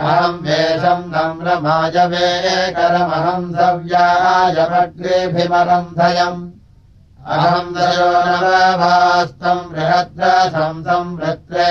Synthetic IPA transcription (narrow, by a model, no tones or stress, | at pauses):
ɐɦɐmbʱeːsɐmsɐmɾɐmaːd͡ʒɐʋeːkɐɾɐmɐɦɐmsɐʋjaːjɐbɐkɾeːbʱimɐɾɐnd̪ʱɐjɐm | ɐɐmd̪ʱɐjoːnɐɐbʱaːst̪ɐmɾɪɦɐt̪ɾɐsɐmsɐmbɾɪt̪ɾeː